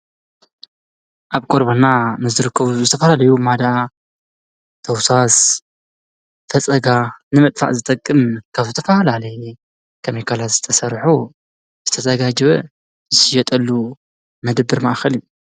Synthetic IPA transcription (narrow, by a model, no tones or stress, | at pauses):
ʔaβkʼoɾbɐnːanɨzɨɾɨkːɐβuzɨt̪ʰɐfɐlalɐjumad̪a | t̪ʰɐwsas | fɐt͡sʼɐɡanɨmɐt̪ʼfa̰ʔzɨt̪ʼɐkʼːɨmkʰaβzɨt̪ʰɐfɐlalɐj | kʰɐmikʰalat̪z̥ɨ̥t̪ʰɐsɐɾħu | z̥ɨt̪ʰɐzɐɡad͡ʒɨβɐ | zɨsɨjɛt̪ʼɐlːu | mɐd̪bɨɾmaʔxɐliju